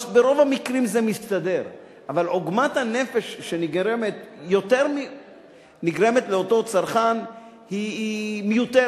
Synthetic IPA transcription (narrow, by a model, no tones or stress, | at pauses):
beʁo̞vamikʁimzemist̪ad̪e̞ʁ | ʔavaloɡmat̪hane̞fe̞ʃːeniɡɾemet̪jo̞teʁmi | niɡʁe̞met̪leoto̞t͡saʁχan | himejut̪e